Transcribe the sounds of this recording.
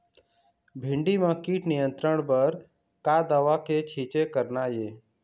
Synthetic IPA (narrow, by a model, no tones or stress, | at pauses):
bʱɪ̃ɳɖimãkiːʈnɪjə̃nt̪ɾəɽbəɾ | kad̪əʋaket͡ʃʰiːt͡ʃekəɾnajeː